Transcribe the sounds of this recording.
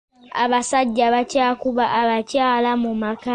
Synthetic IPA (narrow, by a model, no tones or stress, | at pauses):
a̰βasaɟːaβacaːkuβaʔːβacaːlamumaka